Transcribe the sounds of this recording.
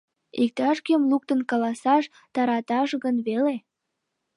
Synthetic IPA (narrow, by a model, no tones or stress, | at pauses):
ik̚t̪ɑʃkemluk̚t̪ənkɑlɑsɑʃ | t̪ɑɾɑt̪ɑʃɣənβele